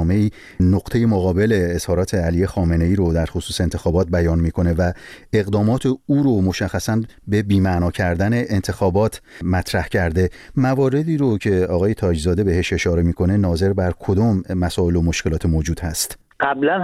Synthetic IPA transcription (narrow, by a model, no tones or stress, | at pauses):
meiː | noɡt̪ʰe̞je̞moɣɒːbe̞le̞ːz̥hɒːɾɒːt̪ʰe̞æliːje̞xɒːme̞ne̞jiːɾod̪æɾxosuːseːnt̪ʰe̞xɒːbɒːt̪̚bæjɒːnmiːkʰo̞ne̞væe̞ɣd̪ɒːmɒːt̪ʰeuːɾomo̞ʃæxːæsænbe̞biːmænɒːcʰæɾd̪æne̞ʔːnt̪ʰe̞xɒːbɒːt̪ʰmæt̪ʰɾæhcʰæɾd̪e̞mævɒːɾe̞d̪iːɾocʰe̞ɒːɣɒːje̞t̪ʰɒːd͡ʒzɒːd̪e̞be̞ɦe̞ʃe̞ʃɒːɾe̞miːkʰo̞ne̞nɒːze̞ɾbæɾkʰo̞d̪ɒːmːæsɒːe̞lo̞moʃcelɒːt̪ʰe̞mod͡ʒuːd̪hæst̪ | ɢ̥æblæn